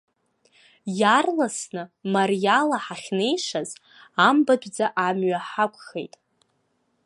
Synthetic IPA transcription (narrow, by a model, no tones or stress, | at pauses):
jarlasnɨmarjalaħaχʲne̞jʂaz | ambadʷʼd͡zaʔamɥaħakʷʼχejtʼ